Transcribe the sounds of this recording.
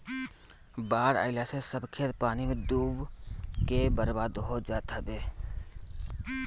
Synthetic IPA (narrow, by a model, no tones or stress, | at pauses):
baːɾa̰ːɪlasesəbkʰeːt̪paːnimẽd̪uːbkebəɾbaːd̪ɦod͡ʒaːt̪əbeː